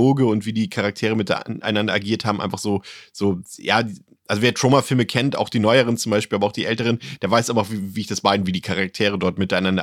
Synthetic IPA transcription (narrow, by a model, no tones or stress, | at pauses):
oːɡəʊntv̥iːdiːkʰaʁak̚tʰeːʁəmɪtʔa̰ɪnandɐʔaɡiːɐthaːbm̩ʔaɪnfaχz̥oːz̥oːjaː | ʔalzoveːɐtʁ̥oːmafɪlməkʰɛntʔa̰ʊxd̥iːnɔʏəʁ̞ənt͡sʊmbaɪʃpilabɐaʊxd̥iːʔɛltəʁənd̥eːɐvaɪsʔaɪnfaχviːviːɪçd̥asb̥aɪdnviːdiːkʰaʁak̚tʰeːʁ̞ədɔɐtmɪtaɪnandɐ̰